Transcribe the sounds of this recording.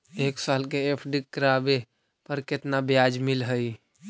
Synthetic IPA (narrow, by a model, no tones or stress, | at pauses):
eːksalkeepʰɖikːəɾabe | pəɾkɪt̪nabjad͡ʒmɪlɦəi